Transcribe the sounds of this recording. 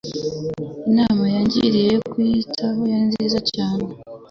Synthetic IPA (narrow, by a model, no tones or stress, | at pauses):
inaːmajaɲɟḭɾijejokwuitʰaho̞janziːzacaːne